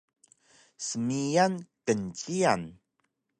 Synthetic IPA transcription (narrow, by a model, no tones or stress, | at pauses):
səmijankənt͡ɕian